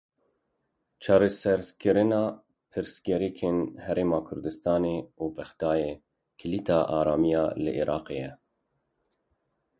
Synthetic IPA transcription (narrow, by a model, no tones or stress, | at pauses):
t͡ʃʰɑːɾɛsɛɾkɨɾɨnɑː | pʰɨɾsɡɛɾikʰeːnhɛɾeːmɑːkʰʊɾd̪ɨst̪ɑːneːuːpʰɛxd̪̥ɑːjeː | kʰɪlit̪ʰɑːʔɑːɾɑːmijɑːlɨ̰ʔiɾʔɑːqejɛ